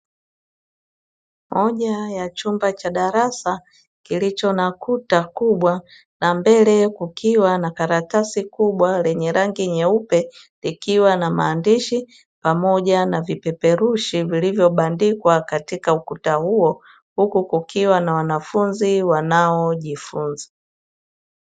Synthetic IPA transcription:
mɔʄajat͡ʃumbat͡ʃaɗaɾasa | kilit͡ʃɔnakutakuɓwa | nambɛlɛkukʰiwanakaɾatasikuɓwalɛɲɛɾʔaŋɡiɲɛupɛ | likiwanama̰ːndiʃi | pamɔʄanavipɛpɛɾuʃivilivjɔɓandikwakatikaukutahuɔ | hukukukiwanawanafunziwanaɔʄifunza

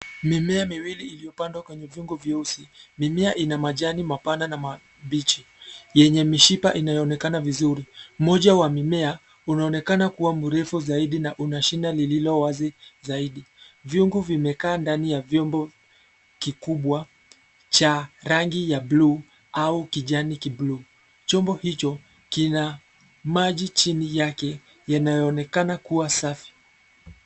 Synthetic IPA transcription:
mimɛamiwiliilijɔpandwakwɛɲɛvjuŋɡuvjusimimɛaʔinamaʄanimapananama | ɓit͡ʃi | jɛɲɛmiʃipa̰ʔinajɔːnɛkanavizuɾim̩mɔʄawamimɛa | unaɔnɛkanakuwamuɾɛfuzaiɗinaʔunaʃinalililɔwazizaiɗi | vjuŋɡuvimɛkaːndanijavjɔmbɔ | kikuɓwa | t͡ʃaɾaŋɡijabluː | aukiʄanikibluː | t͡ʃɔmbɔhit͡ʃɔ | kina | maʄit͡ʃinijakɛ | janajɔːnɛkanakuwasafi̥

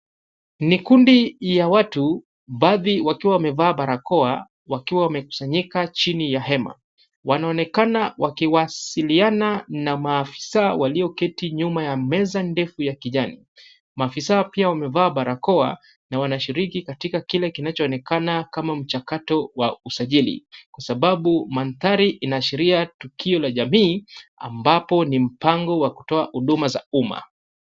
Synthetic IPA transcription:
nikundijawatu | ɓaðiwakiwawamɛvaːɓaɾakɔa | wakiwawamɛku̥saɲikat͡ʃinijaɦɛma̰ | wanaɔnɛkanawakiwasiliananamaːfi̥sawaliɔkɛtiɲumajamɛzandɛfujakiʄanḭ | maːfisaɔpiawamɛvaːɓaɾakɔa̰ | nawanaʃiɾikikatikakilɛkinat͡ʃɔːnɛkanakamam̩t͡ʃakatɔwausaʄilḭkwasaɓaɓumanθaɾiʔinaʃiɾiatukʰiɔlaʄamiːa̰mbapɔnim̩paŋɡɔwaku̥tɔahuɗumaza̰uma̰

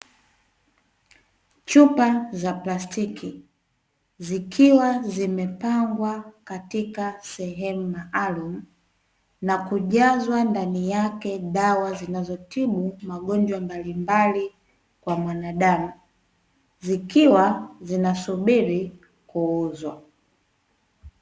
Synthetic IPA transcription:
t͡ʃupazaplastikʰi | zikʰiwazimɛpaŋɡwakatikasɛɦɛmumaʔalum̩ | nakuʄazwandanijakɛɗawazinazɔtiɓumaɠɔɲd͡ʒwambalimbali | kwamwanaɗamu | zikiwazinasuɓiɾi | kuuzwa

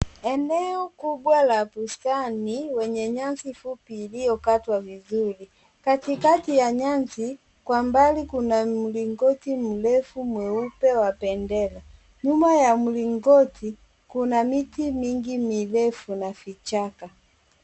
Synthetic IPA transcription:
ɛnɛɔkuɓwalapustaniwɛɲɛɲansifupiːlijɔkatwavizuli | katikatijaɲansi | kwambalikunam̩liŋɡɔtim̩lɛfumwɛupɛwapɛndɛla | ɲumajamuliŋɡɔti | kunamitimiŋɡimilɛfunafit͡ʃaka

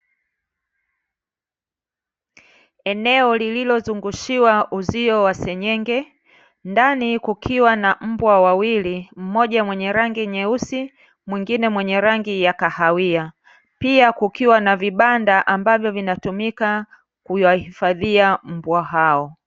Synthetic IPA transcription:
ɛnɛɔlililɔzuŋɡuʃiwaʔuziɔwasɛɲɛŋɡɛ | ndanikukʰiwanam̩bwawawilim̩mɔʄamwɛɲɛɾaŋɡiɲɛusi | mwiŋɡinɛmwɛɲɛɾaŋɡijakahawia | piakukiwanaviɓandaʔambavjɔvinatumika | kujahifaðiam̩bwaɦaɔ

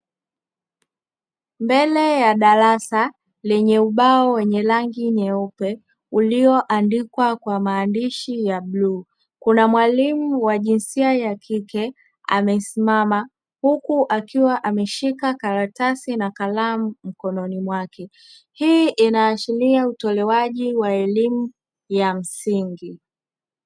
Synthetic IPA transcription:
mbɛlɛjaɗaɾasa | lɛɲɛuɓaɔwɛɲɛlaŋɡiɲɛupɛ | uliɔʔandikwakwamaːndiʃijaɓluː | kunamwalimuwaʄinsiajakʰikɛ | a̰mɛsimama | hukuʔakiwaʔamɛʃikakaɾatasinakalamum̩kɔnɔnimwakʰɛ | hiʔinaːʃiliautɔlɛwaʄiwaɛlimu | jam̩siŋɡi

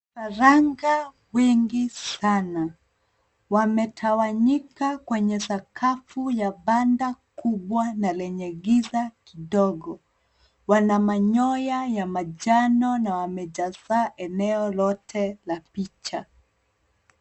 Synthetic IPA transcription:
faɾaŋɡa | wɛŋɡisana | wamɛtʰawaɲikakwɛɲɛsakʰafujaɓandakuɓwanalɛɲɛɡizakiɗɔɡɔ | wanamaɲɔjajamaʄanɔnawamɛʄazaʔɛnɛɔlɔtʰɛlapit͡ʃa

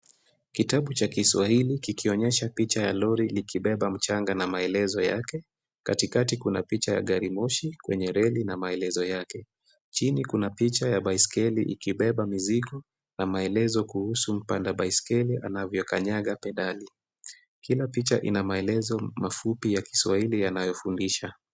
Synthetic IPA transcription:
kitaɓut͡ʃakiswahilikikiɔɲɛʃapit͡ʃaja̰lɔɾilikiɓɛɓam̩t͡ʃaŋɡanamaɛlɛzɔja̰kɛ | katikatikunapit͡ʃaja̰ɠaɾimɔʃikwɛɲɛɾɛlinamaɛlɛzɔjakɛ | t͡ʃinikunapit͡ʃajaɓaiskɛlḭʔḭkiɓɛɓamiziɠɔ | namaɛlɛzɔkuhusum̩pandaɓaiskɛliʔa̰navjɔkaɲaɠapɛɗali | kilapit͡ʃa̰ʔḭnamaɛlɛzɔmafupijaki̥swahilijanajɔfundiʃa

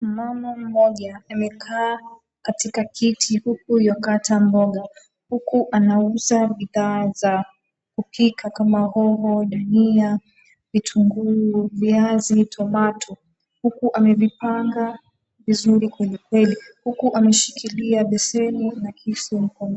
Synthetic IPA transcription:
mamam̩mɔʄaːmɛkʰaː | katikakʰitʰihuk̚ujɔkatʰambɔɠa | hukuʔanauzaɓiðaːza | kupʰikʰakamahɔhɔɗania | vitʰuŋɡuviazitʰɔmatʰɔ | hukuʔamɛvipaŋɡa | vizuɾikwɛlikwɛlihukuʔamɛʃi̥kʰiliaɓɛsɛninakʰisum̩kɔŋ

